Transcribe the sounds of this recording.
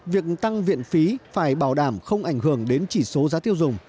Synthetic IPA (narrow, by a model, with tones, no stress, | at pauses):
vi˨˩ək̚t̪a˧ŋvḭ˧˨ənfi˨˦faː˧˩jɓaː˧˩wɗaː˧˩mxə˧wŋ͡mʔa˧˩jŋ̟ɦɨ˧˩əŋɗe˨˦nt͡ɕi˧˩so˨˦zaː˨˦t̪i˧əwzʊ˨˩ŋ͡m